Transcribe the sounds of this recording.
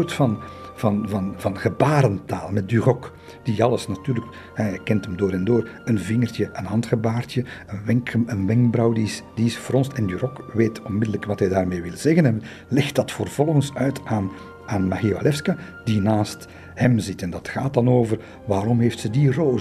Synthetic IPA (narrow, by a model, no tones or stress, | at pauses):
rtfɑnvɑnvɑnvɑnɣəbaːɾənta̰ːlˠmɛt̚dyrɔk | d̥iɑləsnatyːrlək | ɦɛjɛjkɛntəmdoːɾɛndoːrənvɪŋərtjəʔənɦɑntxəbaːrtjəənʋɛŋkənʋɛŋkbrɑwdisd̥iɪsfrɔnstɛndyrɔkʋeːtɔnmɪdələkʋɑtɦɛjdaːrmeːʋɪlˠz̥ɛɣənɛn | lɛxtd̥ɑtfərv̥ɔlˠɣənsœɥtaːn | aːnmaɣiva̰lɛfska | d̥inaːst | hɛmzɪtɛndɑtxaːt̚dɑnoːvər | ʋaːɾɔmɦeːftsədiroː